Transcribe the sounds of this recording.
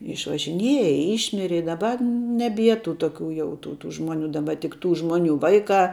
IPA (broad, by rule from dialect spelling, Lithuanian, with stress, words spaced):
ɪʃʋɐʒʲɪˈnʲiɛjɛ ˈiːʃʲmʲɪrʲɪ ɪ dɐˈbɐ nʲɛˈbʲiɛ tuː ˈtoːkʲuː jɛʊ ˈtuː tuː ˈʒmoːˌnʲuː dɐˈbɐ tʲɪk ˈtuː ˈʒmoːˌnʲuː ˈʋɐɪˌkɑː